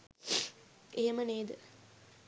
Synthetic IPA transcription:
eɦeməneːd̪ə

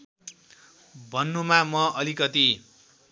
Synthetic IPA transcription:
bʱʌnːumamʌʔʌlikʌt̪i

